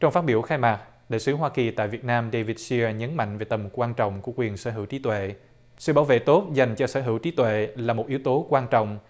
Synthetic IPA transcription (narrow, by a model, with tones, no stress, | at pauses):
t͡ɕɔ˧wŋ͡mfaː˦˥t̚ɓi˧˩əwxaː˧jmaː˨˩k̚ | ɗa̰ː˧˨sɨ˨˦ɦwaː˧ki˨˩t̪a̰ː˧˨jvi˨˩ət̚naː˧mɗe˧vi˧˩t̚si˧əɲə˨˦nma̰˧˨ŋ̟ve˨˩t̪ə˨˩mkwaː˧nt͡ɕɔ̰˧˨wŋ͡mku˧˩əkwi˨˩ənsə̰ː˧˩˦ɦɨ˧˩wt͡ɕi˨˦t̪wḛ˧˨ | sɨ̰˧˨ɓaː˧˦wvḛ˧˨t̪o˦˥t̚za˨˩jŋ̟t͡ɕɔ˧səː˧˩ɦɨ˧˩wt͡ɕi˨˦t̪wḛ˧˨laː˨˩mo˨˩t̚ʔi˨˦wt̪o˨˦kwaː˧nt͡ɕɔ̰˧˨wŋ͡m